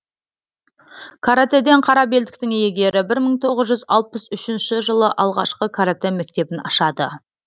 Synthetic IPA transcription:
kʰaɾat̪ed̪e̞ɴqʰɑɾɑbe̞ld̪ɪk̚t̪ɪŋejeɡʲe̞ɾɪbɪɾməɴt̪ʰo̞ʁəzʒʏzɑlˠpəzʏʃɪnʃɪʒəlˠəʔɑlˠʁɑ̰ʃqəkʰaɾat̪eme̞k̚t̪e̞bɪnɑ̰ʃɑd̪ə̰

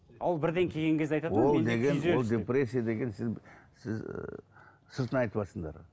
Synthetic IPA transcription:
ɑlˠbɪɾd̪eŋkʲʰe̞ɡʲe̞ŋkʲezd̪eɑjt̪ɑd̪old̪eɡʲenolˠd̪ʲepɾesʲːijad̪e̞ɡʲe̞nsɪzsɪ̰z | səɾt̪ənɑjt̪əpɑsəɴd̪ɑ̰ɾ

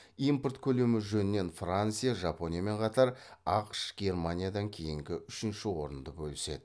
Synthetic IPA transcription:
impərt̪kʲʰɵle̞mɪʒɵnɪne̞nfrant̪sɨjaʒɑpo̞nʲijame̞ɴqʰɑt̪ɑɾɑqʃɡ̥ʲe̞rmanʲijad̪ɑŋkʲʰe̞jɪŋɡʲɪʏʃɪnʃɪwo̞ɾənd̪əbɵlɪse̞̰d̪ɪ

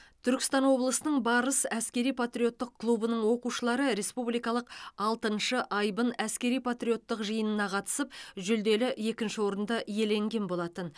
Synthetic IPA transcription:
t̪ʰʏɾkʲɪ̥st̪ɑnwo̞blˠəsənəɴbɑɾəsæskʲe̞ɾijpʰat̪ɾʲijo̞t̪ːəq̚kʰːlˠubənəɴwo̞quʃəlˠɑɾəɾe̞spublijkɑlˠəqɑlˠt̪ənʃəʔɑjbənæskʲe̞ɾijpʰat̪ɾʲijo̞t̪ːəqʒəjənənɑqʰɑt̪ə̥səpʒʏld̪e̞lɪje̞kʲɪnʃɪwo̞ɾənd̪ɑʔje̞le̞ŋɡʲe̞nbo̞lˠɑt̪ən

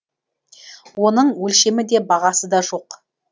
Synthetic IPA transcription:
wo̞nəɴwɵlʃe̞mɪd̪e̞bɑʁɑsəd̪ɑʒo̞q

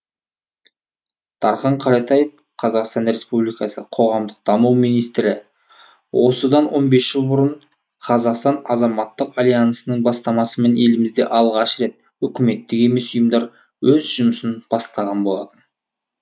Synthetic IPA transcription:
d̪̥ɑɾχɑɴqʰɑɾɑt̪ɑjəf | qʰɑzɑqst̪ɑnɾe̞spublijkɑsəqʰo̞ʁɑmd̪əq̚d̪̥ɑmuwmijnijst̪ɾɪ | wo̞səd̪ɑnwo̞nbe̞sʒ̥əlˠbʊɾəɴ | qʰɑzɑqst̪ɑnɑzɑmɑt̪ːəqalʲijansənəɴbɑst̪ɑmɑsəme̞ne̞lɪmɪzd̪e̞ʔɑlˠʁɑʃɾe̞t̪̚ | ʏkʲɪme̞t̪ːɪke̞mesʊjəmd̪ɑɾ | wɵzʒʊməsɪnb̥ɑst̪ɑʁɑnbo̞lˠɑt̪ən

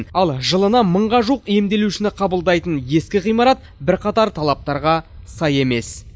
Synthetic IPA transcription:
nɑlˠʒəlˠənɑməɴʁɑʒuqemd̪e̞luʃɪnɪqʰɑbəlˠd̪ɑjt̪ənje̞skʲɪʁijmɑɾɑt̪̚bɪɾqʰɑt̪ɑɾt̪ʰɑlˠɑp̚t̪ɑɾʁɑsɑje̞me̞s

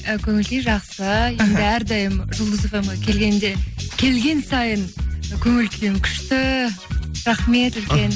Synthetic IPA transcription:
əkʲʰɵŋɪlɡʲeʒɑqsəje̞nɪæɾd̪ɑjəmʒʊlˠd̪əsovɑmɑkʲʰe̞lɡʲe̞nd̪e̞kʲʰe̞lɡʲe̞nsɑjənkʲʰɵŋɪlkʲʰejɪmkʲʰʏ̥ʃt̪ɪ | ɾɑχme̞t̪lke̞n

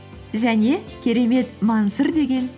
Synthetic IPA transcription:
ʒæne̞kʲʰe̞ɾe̞me̞t̪mɑnsəɾd̪e̞ɡʲe̞n

